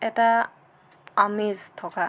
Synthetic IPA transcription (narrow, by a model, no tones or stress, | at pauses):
ɛta | amezt̪ʰɔka